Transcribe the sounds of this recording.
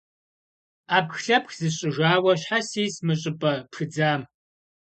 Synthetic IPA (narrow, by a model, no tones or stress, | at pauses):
aːpxɬɐpxzɨɕʼɪʒaːwɐɕħasiːsmɨɕʼɪpʼɐpxɨd͡zaːm